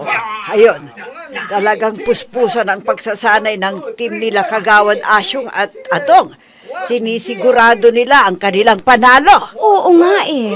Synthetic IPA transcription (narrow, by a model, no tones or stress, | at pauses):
ʔɐjont̪ɐlɐɡaŋpʊspuːsanɐŋpɐɡsasaːnɐjnɐŋt̪ɪmnɪlakɐɡaːwɐnʔaʃoŋɐt̪̚ɐd̪oŋ | sɪniːsɪɡʊɾaːd̪onɪlaʔɐŋkɐnɪlaŋpɐnaːlo̞ʔoʔoŋaʔɛ